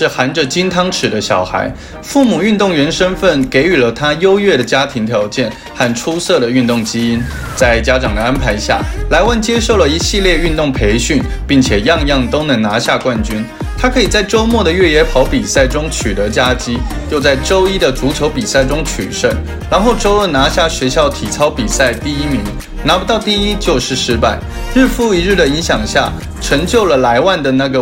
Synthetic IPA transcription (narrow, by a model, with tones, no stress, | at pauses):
ʂɻ̩˥˩xa˧˥nʈ͡ʂə˧t͡ɕi˥nt̪ʰɑ˥ŋʈ͡ʂʰɻ̩˨˩d̪ə˦ɕjɑ˨˩ʊxa̰˧˥ɪ | fu˥˩mu˨˩y˥˧nt̪ʊ˥˩ŋɥɛ˧˥nʂə˥nfə˥˩nke˧˥ɪy˨˩lə˦t̪ʰa˥jo˥ʊɥɛ˥˩ɾə˩t͡ɕja˥t̪ʰi˧˥ŋt̪ʰjɑ˧˥ʊt͡ɕjɛ˥˩n | xa˥˩nʈ͡ʂʰu˥sɤ˥˩ɾə˩y˥˧nt̪ʊ˥˩ŋt͡ɕi˥i˥n | t͡sa˥˩ɪt͡ɕja˥ʈ͡ʂɑ˨˩ŋd̪ə˦a˥npʰa˧˥ɪɕja̰˥˩la˧˥ɪwa˥˩nt͡ɕjɛ˥ʂo˥˩ʊlə˩i˧˥ɕi˥˧ljɛ˥˧y˥˧nt̪ʊ˥˩ŋpʰe˧˥ɪɕy˥˩n | pi˥˩ŋt͡ɕʰjɛ˨˩jɑ˥˧ŋjɑ˥˩ŋt̪o˥ʊnɤ˧˥ŋna˧˥ɕja˥˧kwa˥˩nt͡ɕy˥n | t̪ʰa˥kʰɤ˧˥i˨˩t͡sa˥˩ɪʈ͡ʂo˥ʊmwɔ˥˩d̪ə˩ɥɛ˥˩jɛ˧˥pʰɑ˧˥ʊpi˨˩sa˥˩ɪʈ͡ʂʊ˥ŋt͡ɕʰy˨˩t̪ɤ˧˥t͡ɕja˥t͡ɕi˥jo˥˧ʊt͡sa˥˩ɪʈ͡ʂo˥ʊi˥d̪ə˨t͡su˧˥t͡ɕʰjo˧˥ʊpi˨˩sa˥˩ɪʈ͡ʂʊ˥ŋt͡ɕʰy̰˨˩ʂə˥˩n | ɻa˧˥nxo˥˩ʊʈ͡ʂo˥ʊlə˥˧˩na˧˥ɕja˥˩ɕɥe˧˥ɪɕjɑ˥˩ʊt̪ʰi˨˩t͡sʰɑ˥ʊpi˨˩sa˥˩ɪt̪i˥˩i˥mi˧˥ŋ | na˧˥pu˧t̪ɑ˥˧ʊt̪i˥˩i˥t͡ɕjo˥˧ʊʂɻ̩˥˩ʂɻ̩˥pa˥˩ɪ | ɻ̩˥˧fu˥˩i˧˥ɻɻ̩˥˩d̪ə˩i˧˥ŋɕjɑ˨˩ŋɕja̰˥˩ | ʈ͡ʂʰɤ˧˥ŋt͡ɕjo˥˩ʊlə˩la˧˥ɪwa˥˩nd̪ə˩na˥˩ɡə˩